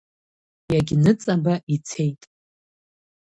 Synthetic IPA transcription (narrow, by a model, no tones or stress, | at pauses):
jaɡʲnɨt͡sʼabaʔit͡sʰe̞jtʼ